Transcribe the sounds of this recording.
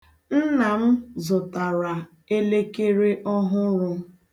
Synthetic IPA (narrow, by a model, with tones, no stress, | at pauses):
n̩˦na˨m̩˦zʊ˨ta˨ɾa˨ | e˦le˦ke˦ɾe˦ʔɔ˦ɦʊ˦ɾʊ˦